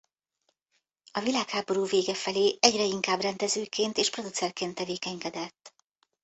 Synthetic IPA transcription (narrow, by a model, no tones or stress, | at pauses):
ɒvilaːkhaːbo̞ɾuːveːɡɛfɛleːʔɛɟrɛiŋkaːbrɛnd̪ɛzøːkeːnt̪eːʃpro̞d̪ut̪sɛrkeːnt̪ːɛveːkɛɲkɛd̪ɛt̪ː